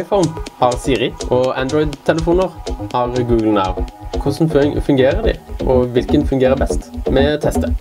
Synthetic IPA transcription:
ɪfɔnhɑʁsiːʁɪʔɔænd̪ɾɔʏd̪t̪ʰɛləfuːnəʁhɑʁɡʉːɡlnɑ̰ʊkʰʊsn̩føɪŋfʉŋɡeːʁəd̪ɪ̰ʔɔʋɪlkənfʉŋɡeːʁəbɛst̪mɛɔt̪ʰɛst̪ə

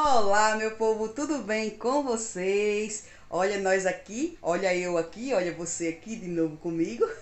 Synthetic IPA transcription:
olamewpovʊt̪ud̪ʊbẽj̃kõvosejs | ɔʎɐnɔjzakiɔʎɐewakiɔʎɐvoseakid̪ɪnovʊkõmiɡʊ

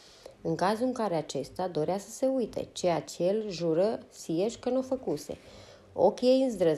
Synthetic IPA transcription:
ɨŋkazuɨŋkaɾe̞at͡ʃe̞st̪ead̪o̞ɾeasə̥se̞ujt̪e̞̰t͡ʃejat͡ʃejelʒuɾəsijeʃʲkənufəkuse̞̰ | o̞̰kʲjejɨnzd̪ɾə

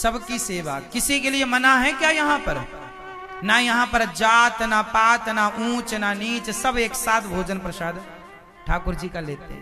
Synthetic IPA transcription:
səbkiseʋakːɪsikeliemənaɦɛ̃kjajɐɦãpəɾ | najəɦãpəɾd͡ʒaːt̪napaːt̪naʔũːt͡ʃnanit͡ʃsəbʱeːksat̪ʰbʱod͡ʒənpɾəsaːd̪ | ʈʰakuɾd͡ʒikaleːt̪ḛ̃

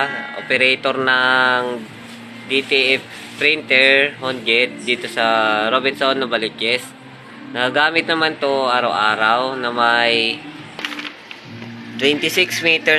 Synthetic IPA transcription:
ʔo̰pɛɾɛjt̪oɾnɐŋ | d̪it̪iʔɛf | t̪ɾɪnt̪ɛɹhonɡɛt̪̚d̪iːt̪osɐɾobɪnsonːɐbɐlɪt͡ʃɛs | nɐɡɐɡaːmɪt̪̚nɐmant̪oʔaːɾɐwʔaːɾɐwnɐmɐj | t̪wɛnt̪ɪsɪksmiːt̪ɛ

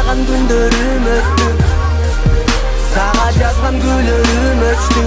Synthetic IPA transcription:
ʁɑŋkʰynd̪øɾy | møt̪t̪y | sʰɑʁɑd͡ʒɑzʁɑŋɡyløɾy | møt̪t̪y

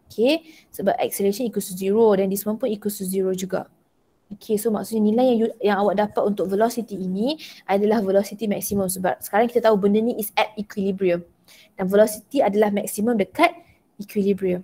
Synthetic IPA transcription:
okʰe | səbap̚ʔɛ̰k̚səlesə̃nikusuziɹodɛndismãnpunikusuziɾod͡ʒuɡa̰ | okʰesoma̰ksut̪̚ɲənilajaŋjujãŋawaʔ̚dapat̪̚unt̪ʊk̚vəlɔsit̪iːnĩʔadalahvəlɔsit̪imɛk̚simə̃msəba̰p̚sə̥kaɾaŋki̥t̪at̪aubəndənĩʔisɛp̚ikwilibɾiəm | d̥anvəlɔsit̪iadalahmɛksimə̃mdəkat̪̚ | ikwilibɾiəm

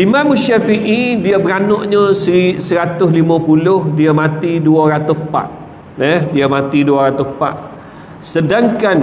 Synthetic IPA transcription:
imãmuʃafiʔidiabəɾanɔʔɲə̃sisəɾat̪ʊslimə̃pulʊhdiamãt̪iduaɾat̪ʊhpa̰ʔ | dɛhdiamãt̪iduaɾat̪ʊhpa̰ʔ | sədaŋkan

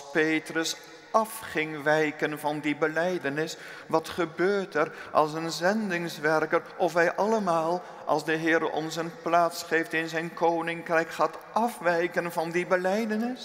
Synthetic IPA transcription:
pejtrəs | ɑfχɪŋʋɛjkənvɑndibəlɛjdənɪs | ʋɑtχəbøːɹtɛrʔɑ̰lˠs̬ənzɛndɪŋsʋɛrkəɾʔɔfɦɛjʔɑləmaːlˠ | ɑ̰lˠsdəɦɪːɾəʔɔ̰nsənplaːtsχejftɪnzɛjnkownɪŋkrɛjkχaːt | ʔɑfʋɛjkənvɑndibəlɛjdənɪs

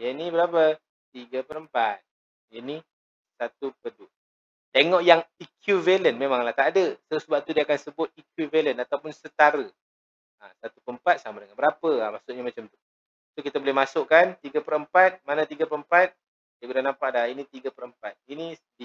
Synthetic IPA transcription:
jənibəɾap̬ə | t̪iɡəpəɾəmpat̪̚ | jini | sat̪upədu | t̪eŋɔʔjaŋikʰjuvelənmemaŋlaht̪adəsəsəbaʔ̚t̪udiəakansəbʊt̪̚ikjuvelənat̪awpʊnsət̪aɾə | asat̪upəəmpat̪̚samadəŋanbəɾapəamaʔsʊʔ̚ɲamat͡ʃamt̪u̥ | sokit̪əbolɛhmasʊʔkant̪iɡapəɾəmpat̪̚manat̪iɡapəəmpat̪̚ | diəkudahnampaʔdahinit̪iɡəpəɾəmpat̪̚ini | di

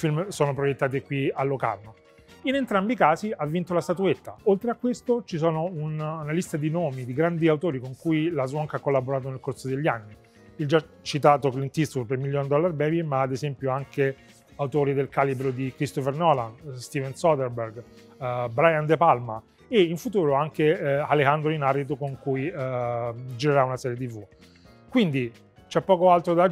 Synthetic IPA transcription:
ifilmsoːnopɾojet̪ːaːt̪̬ekwialːoka̰rno | inent̪ɾambikaːziavːint̪olast̪at̪uet̪ːa̰olt̪ɾeakːwest̪ot͡ʃis̬ɔːnounnalist̪ad̪inoːmid̪iɡɾand̪iawt̪oːɾikoŋkujilazwɔŋkakːolːaboɾaːt̪̬onelkoɾsod̪eʎːianːi | ild͡ʒa | t͡ʃːit̪aːt̪oklint̪ist̪uɾpeɾmiljɔnd̪ɔlːaɾbɛːbimaːd̪ezɛmpjoaŋke | awt̪oːɾid̪elkaːlibɾod̪ikɾist̪ofernɔlanst̪iːvɛnsɔd̪eɾbeɾɡ | bɾajand̪epalma | eiɱfut̪uːɾoaŋkealehand̪ɾoinarːit̪̬okoŋkuji | d͡ʒiɾeɾaunasɛːɾjet̪ivu | kwind̪i | t͡ʃɛpːɔːkoalt̪ɾod̪a

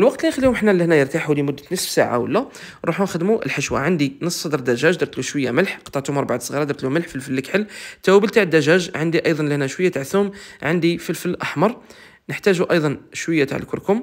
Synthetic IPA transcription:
ʔəlwɑq̚t̪lʔæxəlijʊmħnːælːihnæjəɾt̪aħuwlimʊd̪ːət̪nəsfsa̰ʕa̰wə̰lːæ | ɾˤuħunxəd̪muʔə̰lħəʃwa̰ʕənd̪inəsˤsɑd̪əɾˤd̪æʒæʒd̪ɑɾˤt̪luʃwəjːa̰məlħqɑ̥t̪ːˤɑʕt̪umɑɾˤbaʕat̪sˤɣiɾˤɑd̪ɑɾt̪luməlħfilfəlːəkħəlːt̪æwæbəlt̪aʕəd̪ːæʒæʒʕənd̪iʔɑjd̪ˤɑnləhnæʃwəjːat̪aʕθumʕənd̪ifəlfəlːʔɑħmɑɾˤ | nəħt̪æʒuʔɑjd̪ˤɑnʃwəjːat̪a̰ʕəlkʊɾkʊm

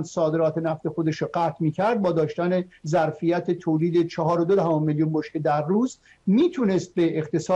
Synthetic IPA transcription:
nsɒːd̪e̞ɾɒːt̪ʰenæft̪exo̞d̪e̞ʃɾoɢæːt̪ʰmiːcʰæɾd̪̚bɒːd̪ɒːʃt̪ænezæɾfijæt̪ʰet̪ʰoːliːd̪e̞t͡ʃʰɒɦɒːɾod̪od̪æhɒːmeljuːnboʃked̪æɾːuːz | miːt̪ʰunest̪̚beːχt̪e̞sɒː

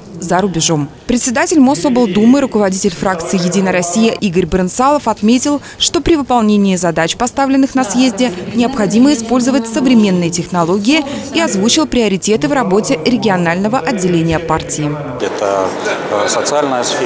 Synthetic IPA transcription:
zəɾʊbʲɪʐo̞m | pɾʲɪt̪sʲɪd̪atʲɪlʲmosobəlˠd̪umɨɾʊkəvɐdʲitʲɪlʲfɾak̚t̪sɨɪjɪdʲinəjɾɐsʲːijəʔiɡəɾʲbɾɨnt̪salˠəfɐt̪mʲetʲɪlˠ | ʂt̪o̞pɾʲɪvɨpɐlˠnʲenʲɪːzɐd̪at͡ɕpɐst̪avlʲɪnːɨxnɐsjezʲdʲɪnʲɪɐpxɐdʲiməɪspo̞lʲzəvət̚ʲsəvɾʲɪmʲe̞nːɨjətʲɪxnɐlˠo̞ɡʲɪjɪ | iɐzvut͡ɕɪlˠpɾʲɪɐɾʲɪtʲe̞t̪ɨvrɐbo̞tʲɪɾʲɪɡʲɪɐnalʲnəvəʔɐdʲːɪlʲenʲɪjəpartʲɪɪ | ɛt̪ə | sət̪sɨalʲnəjəsfʲ

